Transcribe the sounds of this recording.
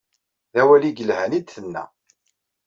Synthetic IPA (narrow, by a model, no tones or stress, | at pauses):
ðæwæliɡəlhænid̪θənːæ̰